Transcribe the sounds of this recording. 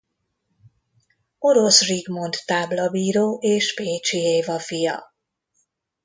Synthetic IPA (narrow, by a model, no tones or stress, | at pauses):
o̞ɾo̞sriɡmo̞nt̪ːaːblɒbiːɾoːʔeːʃpeːt͡ʃieːvɒfijɒ̰